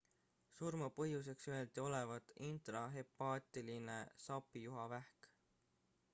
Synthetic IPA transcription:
surmɑpɤɦjus̬e̞ksye̞ld̪̥io̞levɑt̪int̪rɑɦe̞pːɑːt̪ˑiline̞sɑpːˑijuɦɑvæhk

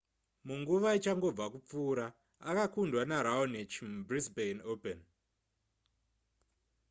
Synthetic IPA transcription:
muŋɡuʋait͡ʃaŋɡo̞b͡vakup͡fuːɾaː | kakundwanaɾaonet͡ʃbrisbejnopen

